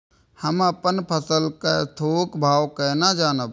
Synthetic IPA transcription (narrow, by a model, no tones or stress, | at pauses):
həməpənpʰəsəlkat̪ʰoːkbʱaːwkɛːnad͡ʒaːnəb